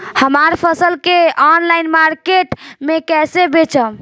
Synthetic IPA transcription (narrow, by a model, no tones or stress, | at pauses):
həmaɾpʰəsəlkeɔnlajnmaɾkeʈmekɛsebet͡ʃʰəm